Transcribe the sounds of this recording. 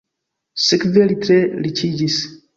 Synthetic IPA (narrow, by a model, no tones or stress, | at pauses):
sikvelit̪ʰɾelit͡ʃʰid͡ʒis